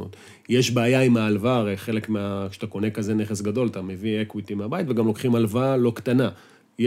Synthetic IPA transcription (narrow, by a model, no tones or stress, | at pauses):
o̰t̪ | jeʃbeːjaimaːlvaʁejχe̞le̞kmeakʃe̥t̪ako̞ne̞kaze̞ne̞χesɡado̞lt̪ame̞viekwit̪imeabajit̪veɡamlo̞kχimalvalo̞kt̪ana | j